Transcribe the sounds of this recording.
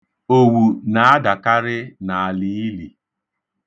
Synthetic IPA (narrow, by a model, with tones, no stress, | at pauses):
o˨wu˨na˨a˦da˨ka˦ɾɪ˦na˨a˨li˨˦i˦li˨